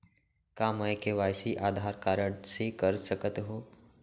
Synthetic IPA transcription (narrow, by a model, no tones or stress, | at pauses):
kaːməjkeʋaːjsiʔaːd̪ʱaːɾkaːɾəɳsekəɾsəkət̪ɦoː